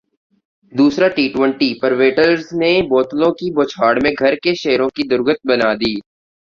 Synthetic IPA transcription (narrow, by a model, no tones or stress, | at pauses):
d̪uːsɾaʈiːʈwə̃ɳʈipɐɾʋeːʈəɾzneboːt̪lõkiboːt͡ʃʰaːɽmẽɡʱɐɾkeʃeɦɾõkid̪ʊɾɡət̪̚bɐnaːd̪iː